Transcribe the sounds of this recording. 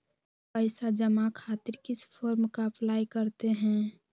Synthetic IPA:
pəɪsad͡ʒəmakʰaːt̪ɪɾkɪspʰɔːɾmkapʰlaːjkəɾt̪eɦɛ̃ː

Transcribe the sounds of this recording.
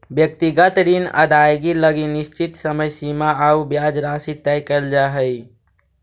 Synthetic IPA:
bjək̚t̪iɡət̪ɾinə̰d̪ajɡiləɡinist͡ʃit̪səməjsimaaubjad͡ʒɾasit̪ɛjkəɾd͡ʒaɦəj

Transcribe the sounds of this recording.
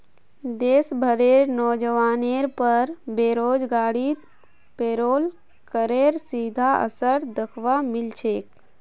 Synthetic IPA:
d̪eːsbʱəɾeɾnɔːd͡ʒəʋaːneɾpəɾbeːɾoːd͡ʒɡaːɽi | peːɾoːl | kəɾeɾsid̪ʱaə̰səɾd̪əkʰʋamɪlt͡ʃʰeːk̚

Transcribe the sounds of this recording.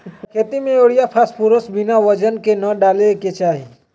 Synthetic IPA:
kʰet̪imẽoɽijapʰaspuɾosbinaʋəd͡ʒənkenəɖaleket͡ʃaːɦi

